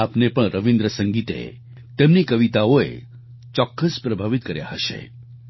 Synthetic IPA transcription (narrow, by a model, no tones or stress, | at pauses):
apnepəɳɾəʋind̪ɾəsəŋɡit̪ḛ | t̪emnikəʋit̪aoḛ | t͡ʃɔkːəspɾəbʱaʋit̪̚kəɾja̰ɦəʃḛ